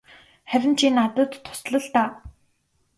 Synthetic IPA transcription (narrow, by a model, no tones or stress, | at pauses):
χæwʲɪ̆n̥t͡ɕʰinat̪ə̆t̪ːʰʊ̥sɮə̆ɮt̪aː